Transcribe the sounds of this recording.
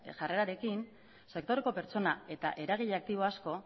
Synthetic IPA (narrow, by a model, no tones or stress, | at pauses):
ʝare̞ɾaɾe̞kin | se̞kt̪o̞ɾe̞ko̞pe̞ɾt͡so̞nae̞t̪aʔe̞ɾaɣ̞iʎak̚t̪iβ̞o̞asko̞